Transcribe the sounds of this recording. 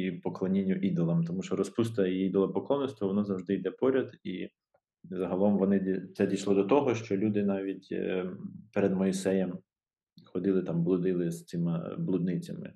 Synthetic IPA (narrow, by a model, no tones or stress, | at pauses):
ipɔklˠɔnʲinʲːʊʔid̪ɔlˠɐmt̪ɔmuʃt͡ʃɔɾɔspust̪ɐiid̪ɔlˠɐpɔklˠɔnːɔst̪ʋɐʋɔnɔzɐwʒd̪ɪjd̪ɛpɔɾʲɐd̪ḭ | zɐɦɐlˠɔmʋɔnɪt̪sɛdʲijʃlˠɔd̪ɔt̪ɔɦɔʃt͡ʃɔlʲud̪ɪnɑʋʲitʲ | peɾed̪mɔisɛjɛm | xɔd̪ɪlˠɪt̪ɑmblˠʊd̪ɪlˠɪst͡s̪ʲɪmɪ̰blˠud̪nɪt͡sʲɐ̰mɪ̰